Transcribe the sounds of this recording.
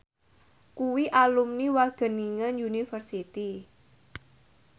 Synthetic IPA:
kuwiʔalumniwaɡ̥ə̤niŋənjunifərsit̪i

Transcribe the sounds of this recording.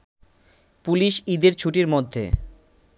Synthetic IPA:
puliʃid̪eɾt͡ɕʰuʈiɾmod̪ʱːḛ

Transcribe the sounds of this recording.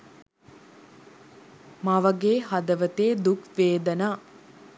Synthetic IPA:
maʋɐɡeːɦad̪əʋət̪eːd̪ukʋeːd̪ənaː

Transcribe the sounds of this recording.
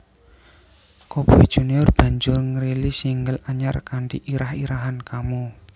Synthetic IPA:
kɔpuid̥ʒ̥uniɔrb̥a̤ɲd͡ʒʊrŋəɾelisiŋɡəlaɲarkaɳɖiʔiɾahiɾaɦankamu

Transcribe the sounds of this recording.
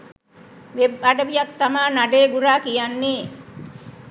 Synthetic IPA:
ʋebaɖəʋijak̚t̪amaːnaɖeːɡuɾaːkijanːeː

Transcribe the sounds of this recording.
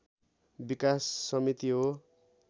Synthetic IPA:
bikasːʌmit̪iɦo

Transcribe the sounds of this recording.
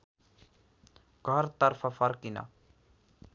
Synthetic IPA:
ɡʱəɾt̪əɾpʰafəɾkina̰ː

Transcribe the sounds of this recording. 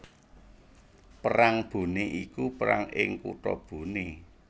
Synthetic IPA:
pəɾaŋb̥ṳniʔikupəɾa̰ŋɪŋkṵʈɔ̰b̥ṳni

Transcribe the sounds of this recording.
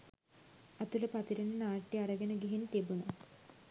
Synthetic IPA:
ɐt̪ulɐpɐt̪iɾennaːʈːiɐɾɐɡɐnɐɡiɦint̪ebunɐ

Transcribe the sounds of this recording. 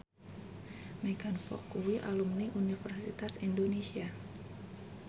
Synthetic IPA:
mɛɡanfɔ̰kuwiʔalumniʔunifərsit̪asindonesia

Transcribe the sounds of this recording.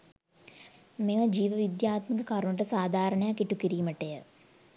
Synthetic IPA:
meʋəd͡ʒiːʋəʋid̪jaːt̪məkəkaɾuɳəʈ̬əsaːd̪ʱaːɾəɳəjakiʈukiɾiːməʈejə

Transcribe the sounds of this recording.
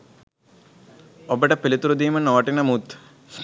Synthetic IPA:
obəʈəpilit̪uɾud̪iːmɐnoʋɐʈinɐmut̪

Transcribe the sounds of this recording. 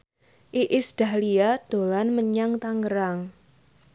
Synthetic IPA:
ʔiʔɪsd̥a̤hliad̪̥o̤lanməɲaŋt̪aŋɡəɾaŋ

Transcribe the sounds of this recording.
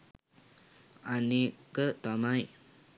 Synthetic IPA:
anekət̪amaj

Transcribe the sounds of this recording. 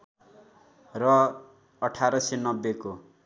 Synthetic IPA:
rʌ | ʌʈʰaɾʌsenʌbːeko

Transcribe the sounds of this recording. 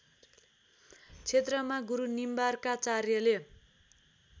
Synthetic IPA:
t͡sʰet̪rʌmaɡuɾunimbarkat͡sarjʌle

